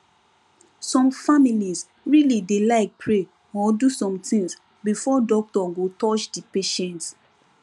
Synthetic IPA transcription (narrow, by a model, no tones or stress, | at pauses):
sɔ̃mfamiliz | ɹilidelaɪk̚pʰɹe | ɔdusɔ̃mtĩŋs | bifɔdɔk̚tɔɡotɔt͡ʃdipeʃɛ̃nt